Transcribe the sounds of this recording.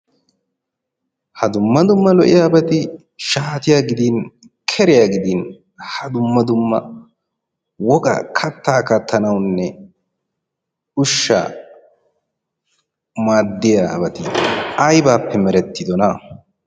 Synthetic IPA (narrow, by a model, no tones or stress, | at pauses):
hɐd̪ʊmːɐd̪ʊmːɐlɔʔɪjaːbɐt̪ɪ | ʃaːt̪ɪjaːɡɪd̪iːn | kʰɛɾɪjaːɡɪd̪iːn | hɐd̪ʊmːɐd̪ʊmːɐ | wɔkʼɐ̰kʰɐt̪ːaːkɐt̪ʰːɐnɐwnːɛ | ʊʃːɐ̰ | maːd̪ːɪjaːɐbɐt̪ɪɐjbaːpʰːɛmɛɾɛt̪ʰːɪd̪ɔnɐ